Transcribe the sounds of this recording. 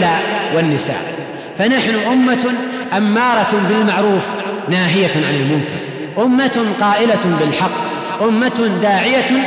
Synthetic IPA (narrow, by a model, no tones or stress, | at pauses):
laːʔwɪnːɪsa̰ːʔ | fanaħnʊʔʊmːa | ʔamːɑːɾˤɑbɪlmaʕɾuːfnaːɦɪjaʕanɪlmʊmkɪɾ | ʔʊmːat̪qɑːʔɪlabɪlħɑqː | ʔʊmːat̪nd̪aːʕɪja